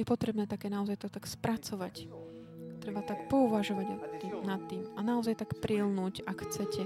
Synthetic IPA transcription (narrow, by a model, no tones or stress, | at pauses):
jɛpɔt̪ɾɛbnɛːt̪akɛːnaɔzajt̪ɔt̪akspɾʔat͡sɔʋac | t̪ɾɛbat̪akpɔuʋaʒɔʋaɟɔimnat̪ːiːmanaɔzajt̪akpɾilnuːcakxt͡sɛcɛ